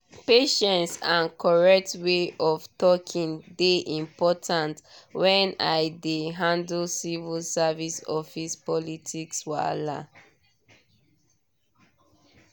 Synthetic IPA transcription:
peʃɛ̃nsãnkʰɔɹɛk̚tweʔɔvtɔkʰĩndeʔĩmpɔtʰãntwɛ̃naɪdeɦãndlsivilsavisɔfispɔlitʰikswala̰

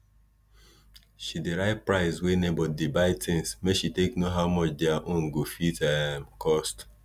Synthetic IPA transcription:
ʃideɾaɪt̚pɹaɪswenebɔdebaɪtɪ̃ŋsmeʃiteknoɦaʊmɔt͡ʃdɛaʔõŋ̩ɡofitamkʰɔst

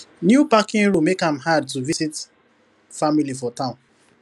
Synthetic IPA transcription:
njupakĩŋɹũmekãmɦad̚tuvisit | familifɔtãʊ̃n

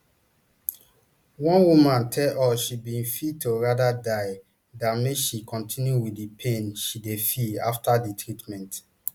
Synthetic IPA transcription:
wɔ̃nwumãntʰɛlʔɔʃibĩnfitoɹadadaj | dãmeʃikʰɔ̃ntʰĩnjuwidipʰẽnʃidefia̰ftaditʰɹitmɛ̃nt

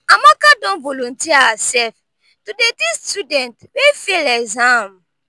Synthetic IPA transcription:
amakadɔ̃nvɔlõntiaasɛf | tudedistjudɛ̃ntwefilɛɡzãm

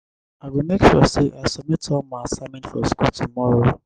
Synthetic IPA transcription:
awimekʃɔ̰seʔasɔmetʰɔmaasaɪmɛ̃ntfɔskɔtʰumɔɾo

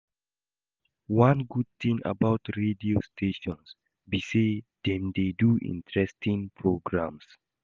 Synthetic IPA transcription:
wãnɡud̚t̪ĩŋa̰baʊtɹediostʰeʃɔ̃ns | bised̥ɛ̃mdeduʔḭ̃ntɹɛstʰĩŋpʰɹoɡɹãms

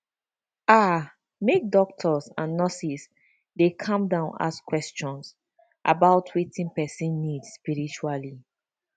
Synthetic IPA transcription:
a | mek̚dɔk̚tʰɔsãnːɔsis | dekʰãmdãʊ̃na̰skwɛst͡ʃɔ̃ns | ʔa̰baʊtʰwitĩnpɛsĩnːidspiɹit͡ʃuali

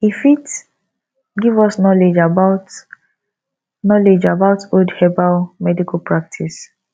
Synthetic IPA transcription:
ifit | ɡivɔsnɔled͡ʒabaʊt | nɔled͡ʒabaʊtodhɛbalmɛdikʰalpɹak̚tʰis

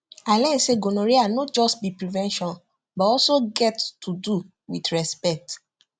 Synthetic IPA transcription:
alɛ̃seɡonoɾianot̚d͡ʒɔstbipɹivɛ̃nʃɔ̃n | bɔtɔlsoɡɛttudu | witɹɛspɛk̚t

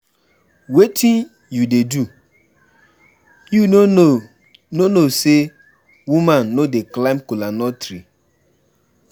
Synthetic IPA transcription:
wetʰin | judedu | ju | nonose | wumãnːodeklaɪmkulanɔtɾi

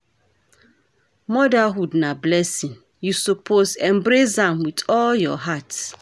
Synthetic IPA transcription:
mɔdaɦudnablɛsĩn | jusopʰosɛ̃mbɾesãmwitɔljɔ̰ɦat

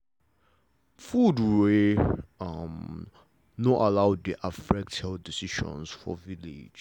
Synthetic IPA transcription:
fudɹe | m | noʔalaʊdiʔafɹɛk̚tʰɛldisiʃɔ̰̃nsfɔ̰vilḛd͡ʒ

